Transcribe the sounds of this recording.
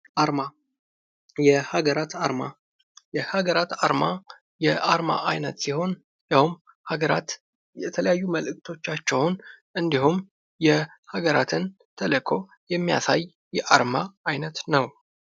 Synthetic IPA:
aɾma | jɛhaɡəɾat̪aɾma | jɛhaɡəɾat̪aɾma | jɛʔaɾma̰ʔajnət̪siho̞n | jahum | haɡəɾa̰t̪ | jɛt̪ʰələjajːuməlɨk̚t̪ʰo̞t͡ʃːat͡ʃːɛwnʔɨnd̪ihum | jɛ | haɡəɾat̪ʰɨn | t̪ʰələkʰo̞ | jɛmːija̰saj | jɛʔaɾmaajnət̪nəw

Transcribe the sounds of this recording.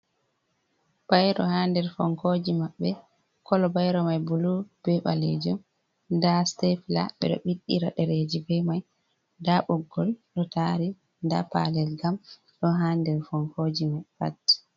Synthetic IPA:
b̥ajɾɔ̰handɛɾfɔ̰ŋkod͡ʒimaɓːɛ | kɔlɔbajɾɔmajbulub̥ɛɓa̰lḛd͡ʒum | ndastɛfla̰ɓɛ̰ɗɔ̰ɓiɗːiɾaɗɛɾed͡ʒibɛmaj | daɓɔɡːɔlɗɔtaɾi | nda̰pa̰lɛlɡam | ɗɔɦandɛɾfɔŋkʰod͡ʒimafa̰tː

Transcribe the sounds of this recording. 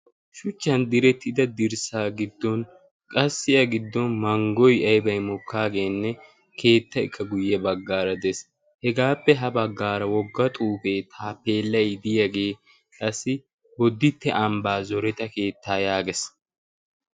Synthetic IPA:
ʃʊt͡ʃːɐnd̪ɪɾɛt̪ːɪd̪ɐd̪ɪɾsaːɡɪd̪ːɔn | kʼɐsːɪjɐɡɪd̪ːɔnmɐŋɡɔjɐjbɐjmɔkʰːaːɡe̞ːnːɛ | kʰe̞ːt̪ːɐɪ̰kʰːɐɡʊjːɛbɐɡːaːɾɐd̪ɛs | hɛɡaːpːɛɦɐbɐɡːaːɾɐwɔɡːɐt̪ʼuːfeːt̪ʰaːpːeːlːɐjd̪ɪjɐɡe̞ː | kʼɐsːɪ | wɔd̪ːɪt̪ːɛʔɐmbaːzɔɾɛt̪ɐke̞ːt̪ːaːjaːɡɛs

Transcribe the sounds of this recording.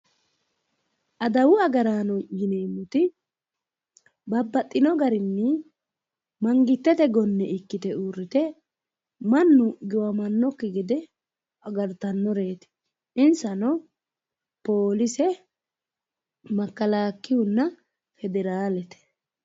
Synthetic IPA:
ʔɐd̪ɐwʊɐɡɐɾaːnɔjɪneːmːʊt̪ɪ | bɐbːɐt̪ʼːɪnɔɡɐɾɪnːɪ | mɐŋɡɪt̪ːɛt̪ɛɡɔnːɛɪkːɪt̪ɛuːrːɪt̪ɛ | mɐnːʊɡɪwɐmɐnːɔkːɪɡɪd̪ɛ | ɐɡɐɾt̪ɐnːɔɾe̞ːt̪ɪ̥ | ɪnsɐnɔ | poːlɪsɛ | mɐkːɐlaːkːɪʊnːɐ | fɛd̪ɛɾaːlɛt̪ɛ̥

